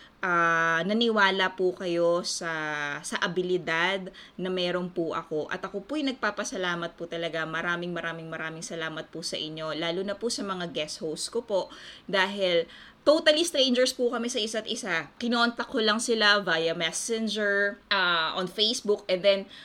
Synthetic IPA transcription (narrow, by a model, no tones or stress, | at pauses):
ʔaːnɐnɪwaːlɐpʊkɐjo̞sɐsɐʔɐbɪlɪd̪ad̪̚nɐmɛːɾonpʊʔɐ̰ko̞ʔɐ̰t̪ɐko̞pʊjnɐɡ̚paːpɐsɐlaːmɐt̪̚pʊt̪ɐlɐɡamɐɾaːmɪŋmɐɾaːmɪŋmɐɾaːmɪŋsɐlaːmɐt̪̚pʊsɐ̰ʔɪɲːo̞laːlʊnɐpʊsɐmɐŋaɡɛshowskopo̞ʔd̪aːɦɪl | t̪ot̪ɐlist̪ɾɛjnd͡ʒɛɹspʊkɐmɛsɐʔɪsat̪̚ʔɪsakɪnoʔɐnt̪ɐkʰːolɐŋsɪlavajɐmɛsɛnd͡ʒɛɹʔaʔonfejsbʊkʔɛnd̪ɛn